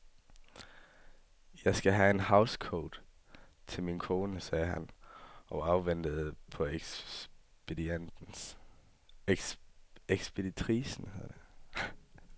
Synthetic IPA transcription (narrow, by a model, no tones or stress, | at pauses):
jɑ̈ɪsɡ̥æɦæe̝nhɑ̈ʊskʰoːd̥t͡sʰe̝lminkʰo̝ːnəsɛːɦænʔɒ̽ɑ̈ʊʋen̰d̥əð̩ˠpʰɒ̽e̥ | b̥ed̥iend̥ | eɡ̥sb̥ʰe̝dit͡sʰʁḭːsn̩heð̰ˠɐd̥e